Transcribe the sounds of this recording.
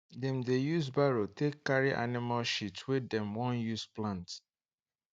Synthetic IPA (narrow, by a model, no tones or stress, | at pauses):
dɛ̃mdejuzbaɹotekːaɹiʔa̰nɪmalʃitwɪdɛ̃mwɔ̃njusplãnt